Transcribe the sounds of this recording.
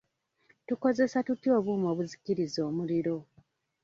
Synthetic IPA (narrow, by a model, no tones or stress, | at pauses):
tuko̞ze̞satutjo̞ːβuːmo̞ːβuzikiɾizo̞ːmuliɾo̞